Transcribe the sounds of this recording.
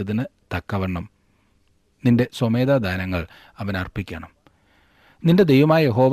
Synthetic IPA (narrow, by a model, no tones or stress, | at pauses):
ɐðinɨt̪ɐkːɐʋɐɳːɐm | ninde̞some̞ːd̪aːd̪ʱaːnɐŋːɐɭ | ɐʋɐnɐrpikʲːɐɳɐm | ninde̞d̪e̞jʋɐmaːjɐje̞ɦo̞ːʋ